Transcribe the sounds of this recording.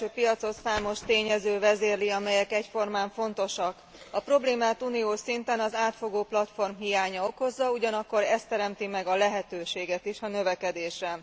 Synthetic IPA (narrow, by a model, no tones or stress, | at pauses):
øːpijɒt̪so̞t̪saːmo̞ʃt̪eːɲɛzøːvɛzeːrliɒmɛjɛkɛcfo̞rmaːɱfo̞n̪t̪o̞ʃɒk | ɒpro̞bleːmaːt̪unijoːʃint̪ɛnɒzaːt̪fo̞ɡoːplɒt̪fo̞rmɦijaːɲɒo̞ko̞zːɒuɟɒnɒkːo̞ɾɛst̪ːɛɾɛmt̪imɛɡɒlɛɦɛt̪øːʃeːɡɛt̪iʃɒnø̞vɛkɛd̪eːʃɛ